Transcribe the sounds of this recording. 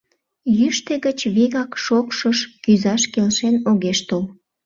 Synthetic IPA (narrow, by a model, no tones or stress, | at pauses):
jyʃt̪eɣət͡ɕβeɣɑkʃokʃəʃkyzɑʃkelʃenoɣeʃt̪ol